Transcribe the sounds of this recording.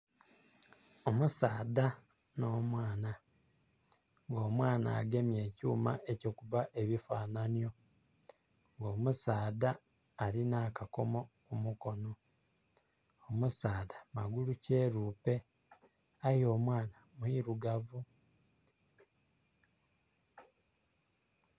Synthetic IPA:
omusaːda | no̞ːmwaːna | ŋɡo̞ːmwaːna̰ːɡe̞mje̞ːcuːma̰ʔe̞co̞ːkuβaʔe̞βifaːnanijo̞ | ŋɡo̞ːmusaːdaː | linaːkako̞mo̞kumuko̞no̞ | omusaːdamaɡuluce̞ːɾuːpe̞ | ajo̞ːmwaːnamuiɾuɡavu

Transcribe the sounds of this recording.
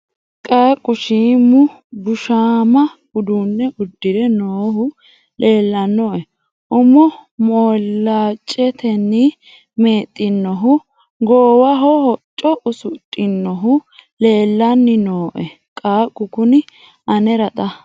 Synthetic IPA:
kʼaːkʼːʊʃiːmʊ | bʊʃaːmɐɡʊd̪unːɛʔʊd̪ːɪɾɛnoːhʊ | le̞ːlːɐnːɔʔɛ | ʔʊmːɔmɔːlːaːt͡ʃʼːɛt̪ɛnːɪ | meːt̪ʼːɪnːɔɦʊ | ɡoːwɐɦɔhɔt͡ʃʼːɔʔʊsʊtʼːɪnːɔɦʊle̞ːlːɐnːɪnoːʔɛ | kʼaːkʼːʊkʊnɪ | ʔɐnɛɾɐt̪ʼɐ

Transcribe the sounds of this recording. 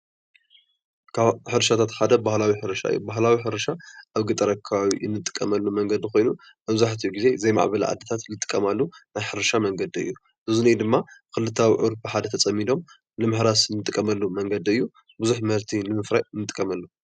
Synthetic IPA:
kʰaħɨɾɐʃat̪ʰat̪ħad̪ɐbahlawiħɨɾɐʃa̰ɨ̰jːubaɦlawiħɨɾɐʃaʔaβɡɨt̪ʼɐɾɐkʰːɐβaβijɨnːɨt̪ʼɨ̥kʼːɐmɐlːumɐŋɡɐd̪iko̞jnu | mɐβzaħt̪ʰijuɡize̞zɐjma̰ʕbɐl̰ʕa̰d̪ːɐt̪ʰat̪lɨt̪ʼɨ̥kʼːɐmalːunajħɨɾɐʃamɐŋɡɐd̪iɨ̰jːu | ʔɨzunɐjd̪ɨmːakɨlɨt̪ʰːawiʕuɾfɨħad̪ɐt̪ʰt͡sʼɐmːid̪o̞m | lɨmɨħɾasnːɨt̪ʼɨkʼːɐmɐlːumɐŋɡɐd̪iɨjːu | bɨzuħmɐɾt̪ʰilɨmɨfɾajɨnːɨt̪ʼɨkʼːɐmɐlːu

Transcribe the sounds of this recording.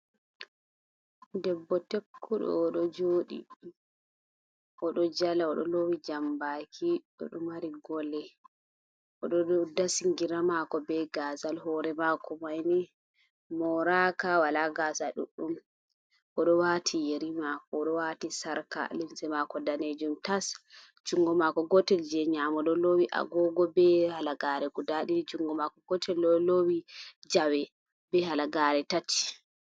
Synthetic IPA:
dɛbːɔtekːuɗɔ̰ːɗɔd͡ʒoːɗḭ | ʔɔɗɔd͡ʒalaɔɗɔlowid͡ʒambakʰiɗɔ̰ɗɔmaɾiɡɔlɛ | ʔɔɗɔdasiŋɡiɾamakɔbɛɡazalhɔɾɛmakɔmajni | mɔɾakawalaɡazaɗṵɗum | kɔɗɔwatʰijeɾimakɔɗɔwatisaɾka̰limsɛmakɔdaned͡ʒumtas | d͡ʒuŋɡɔmakɔɡɔtɛld͡ʒɛɲamɔɗɔlowiʔa̰ɡɔɡɔbɛhalaɡaɾɛɡudaɗid͡ʒuŋɡɔmakɔɡɔtʰɛlːɔlowid͡ʒawɛ | bɛhalaɡaɾɛtat͡ʃːi̥

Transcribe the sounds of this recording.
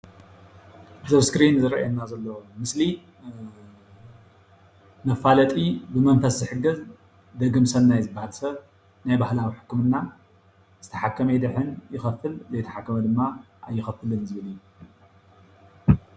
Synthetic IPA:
zɐβskɾinzɨɾɐ̰jenːazɐlːɐwmɨsli | nɐfːalɐt̪ʼibɨmɐnfɐszɨħɨɡɨz | d̪ɐɡɨmsɐlnajzɨbːahalsɐβ | najbahlawiħɨ̥kːɨmɨnːa | zɨt̪ʰɐħakʰːɐmɐjd̪ɨħɨnjɪxɐfːɨlzɐjt̪ʰɐ̥ħakːɐmɐd̪ɨmːa | ʔa̰jːɪxɐfɨlɨnzɨβɨlɨjːuu

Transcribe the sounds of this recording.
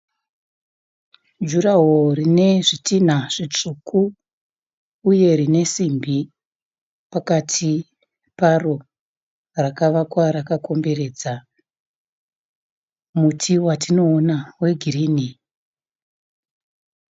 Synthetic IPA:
d͡ʒuraɦorine̞ʐitin̤aʐ̥it͡ʂukʰu | je̞rine̞simbʱi | pakatʰi | paro̞ | rakaʋakwaɾakako̞mbe̞re̞ːd͡za | mutʰiwatino̞ːnawe̞ɡʱiriːni

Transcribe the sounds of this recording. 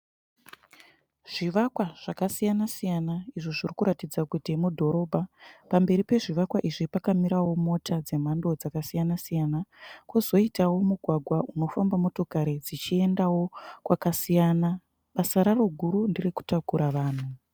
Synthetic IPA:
ʐ̥iʋakwaʐ̥akasijanasijanaiʐoʐirikuɾatid͡zakutimudʱo̞ɾo̞ːbʱapambe̞ɾipe̞ʐiʋakwaʔiʐipakamiɾawo̞mo̞tʰad͡ze̞m̤ando̞d͡zakasijanasijanakwuzo̞itawo̞muɡʱwaɡʱwauno̞fambamo̞to̞kaɾid͡zit͡ʃie̞ndawo̞kwakasijana | ɓasaɾaro̞ɡʱuɾundiriku̥takuɾaʋaːn̤u

